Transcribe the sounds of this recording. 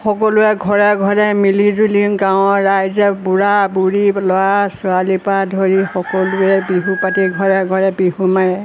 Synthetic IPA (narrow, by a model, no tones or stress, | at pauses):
xɔkɔlʊɛɡʱɔɹɛɡʱɔɹɛmilizulinɡaʊ̃ɹajzɛbuɹabuɹilɔwasʊalipadʱoɹixɔkɔlʊɛbiɦupatiɡʱɔɹɛɡʱɔɹɛbiɦumaɹɛ